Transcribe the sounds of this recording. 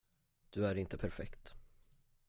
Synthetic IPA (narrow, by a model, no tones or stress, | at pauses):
d̪̥ɵæɾɪnt̪əpʰæɾfɛ̰kt̪